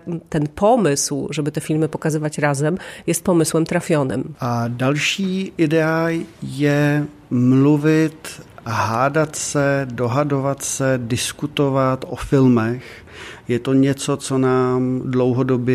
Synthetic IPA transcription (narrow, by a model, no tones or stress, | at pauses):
t̪ɛnpɔmɪslʒɛbɪt̪ɛfɪlmɪpokazɪvacɾazɛmjɛst̪̚pɔmɪslɛmt̪ɾafjɔnɛ̰mʔadalʃiːʔɪdɛajɛ | mluvɪt̪ɦaːdat̪sɛdoɦadovat̪sɛdɪskut̪ovat̪ʔofɪlmɛx | jɛt̪oɲɛt͡sot͡sonaːmdlowɦodobjɛ